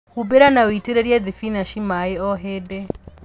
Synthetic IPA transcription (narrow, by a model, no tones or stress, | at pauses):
hubɛɾanawitiɾɛɾjad̪ifinaʃimaɛɔɦɛdɛ